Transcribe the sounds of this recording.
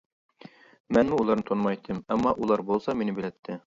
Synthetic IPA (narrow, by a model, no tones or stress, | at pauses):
mænmɘulˠɑɾnɤt̪ʰŏnmɑjit̪ʰːɘmæmːɑʔulˠɑɾbulˠsɑminɘbĭlæt̪ʰːɘ